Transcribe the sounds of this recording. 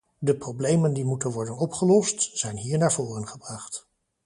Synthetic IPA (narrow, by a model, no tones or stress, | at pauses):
dəprowblejməndimutənʋɔɹdənɔpχəlɔstz̥ɛjnɦiːɹnaːɹvʊːrənχəbrɑχt